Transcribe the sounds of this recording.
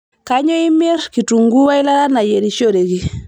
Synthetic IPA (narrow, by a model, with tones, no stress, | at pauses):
kaɲɔ˦i˦me˦ɾki˨tu˨ŋɡu˦wa˦i˦la˦ɾa˦na˨je˨ɾi˨ʃo˦ɾe˨ki˦